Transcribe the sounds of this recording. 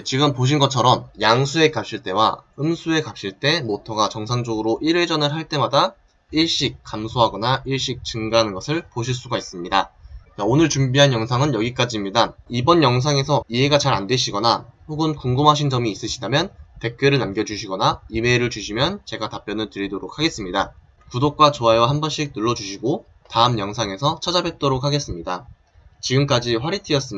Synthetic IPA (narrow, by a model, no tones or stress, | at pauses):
et͡ɕiɡɯmpoɕ̬ʰinɡʌt͡ɕʰʌɾʌmjaŋsʰue̞kap̚ɕ͈iɭt͈e̞wa̰ɯmsʰue̞kap̚ɕ͈iɭt͈e̞motʰʌɡat͡ɕʌŋsʰaŋd͡ʑoɡɯɾoʔiɾe̞d͡ʑʌnɯɭɦaɭt͈e̞mada | iɭɕ͈ik̚k͈amsʰoɦaɡʌnaiɭɕ͈ik̚t͡ɕɯŋɡaɦanɯnɡʌsʰɯɭpoɕʰiɭs͈uɡais͈ɯmɲidaaonɯɭt͡ɕumbiɦanjʌŋsʰaŋɯnjʌɡik͈ad͡ʑimɲidaibʌnjʌŋs̬ʰaŋe̞sʰʌie̞ɡat͡ɕaɾandwe̞ɕʰiɡʌnaɸoɡɯnkuŋɡɯmɦaɕ̬ʰind͡ʑʌmiːs͈ɯɕʰidamjʌnte̞k̚k͈jeɾɯɭnamɡjʌd͡ʑuɕʰiɡʌnaimeɾɯɭt͡ɕuɕʰimjʌnt͡ɕe̞ɡatap͈jʌnɯntɯɾidoɾok̚ʰaɡe̞s͈ɯmɲida | kudok̚k͈wat͡ɕoaewaɦambʌnɕ͈ʰik̚nɯɭːʌd͡ʑuɕʰiɡo | taɯmjʌŋsʰaŋe̞sʰʌt͡ɕʰʌd͡ʑabe̞t̚t͈oɾok̚haɡe̞s͈ɯmɲida | t͡ɕiɡɯmk͈ad͡ʑiɸwaɾitʰiʌs͈ɯ